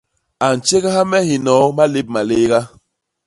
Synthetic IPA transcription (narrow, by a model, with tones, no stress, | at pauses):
a˨n˨t͡ʃe˦ɣa˦ɦa˦mɛ˦hi˨nɔ˨˦ma˦le˦p̚ma˨le˦ɡa˦